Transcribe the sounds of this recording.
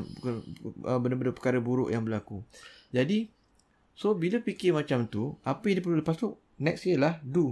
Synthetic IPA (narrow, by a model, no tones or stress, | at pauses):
kəbəndəbəndəpə̥kaɾəbuɾʊ̰ʔjaŋbəlakud͡ʒadi | sobilapikɪmãt͡ʃamt̪uapəjdipɾulapasʊk̚ | nɛksjəlahdu